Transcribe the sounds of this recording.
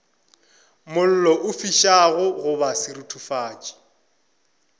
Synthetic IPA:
mʊl̩lɔʔʊfiʃaɣʊɣʊbasɪɾutʰufaːt͡ʃʼi̥

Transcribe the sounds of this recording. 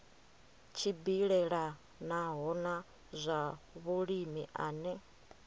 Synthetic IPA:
t͡ʃʰibiɺɛɺa | naɦɔna | zʷaβuɺimiʔaːnɛ

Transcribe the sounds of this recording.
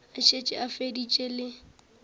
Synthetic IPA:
aʃet͡ʃʼɪʔafedit͡ʃʼelɪ

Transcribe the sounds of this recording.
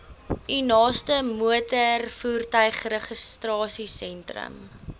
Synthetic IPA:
ʔinɑːstəmuətərfuːrtœɥχrəχəstrɑːsisɛntrə̰m

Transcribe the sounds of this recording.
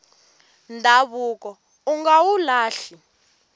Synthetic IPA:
ndʱaβuːkɔ | uŋɡawulaːɬi

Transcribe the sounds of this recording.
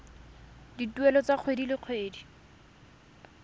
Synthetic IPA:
dituɛlɔt͡saq͡χʰwedilɪq͡χʰweːdi

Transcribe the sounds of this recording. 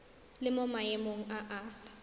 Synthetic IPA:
lɪmomaemoŋ̩ʔaʔaːfḁ

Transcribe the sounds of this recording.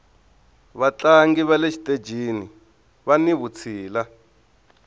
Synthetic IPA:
βat͡ɬaŋɡiβaleʃi̥tʼe̥d͡ʒʱini | βaniβut͡sʰiːla

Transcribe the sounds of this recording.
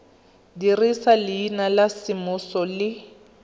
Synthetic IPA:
dirisalɪːnalasɪmʊsɔlɪ

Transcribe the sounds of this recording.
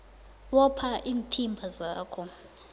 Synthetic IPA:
wɔpʰaʔiːntʰimbʱazaːkʰɔ

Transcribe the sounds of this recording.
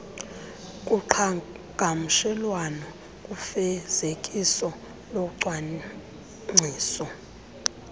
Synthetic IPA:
kʼuǃʰa | ŋɡʱam̩ʃɛlwanɔ | kʼufɛz̥ekʼisɔ | loǀwa | ŋ͡ǀʱiːsɔ

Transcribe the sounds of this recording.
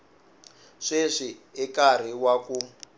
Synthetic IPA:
ʂeʂiɛkar̤iwaku

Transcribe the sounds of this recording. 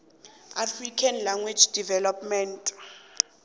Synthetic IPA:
afrikʰanlaŋɡwid͡ʒd̥ivɛlɔpmɛntʼ

